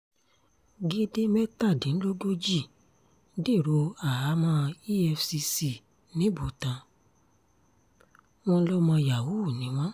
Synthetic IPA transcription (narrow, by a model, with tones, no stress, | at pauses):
ɡe˦de˦mɛ˦ta˦˨dĩ˨n̩˦lo˦ɡo˦d͡ʒi˦˨˦ | de˦˨ɾo˧a˨a˨˦mã˦˧i˦ɛ˧fsi˧si˨ | nĩ˨˦bo˨tã˧ | w̃ɔ̃˧˦lɔ˦mã˧ja˨wu˦˨nĩ˨˦w̃ɔ̃˦